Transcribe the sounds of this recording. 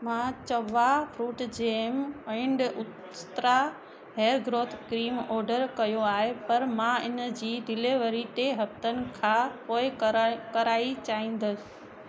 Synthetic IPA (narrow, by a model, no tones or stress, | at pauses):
mãːt͡ɕɐʋafɾuːʈd͡ʑeːmɛ̃ɳɖʊ | t̪ɾa | ɦeːɾɡɾoːt̪ʰkɾiːmɔːɾɖəɾkɐjoaːɦepɐɾmãɪnəd͡ʑiːd̪ɪleʋəɾit̪eɦɐft̪ənɪ̆kʰãːpoːɪkɐɾaːit͡ɕaːĩːn̆d̪əsɪ̥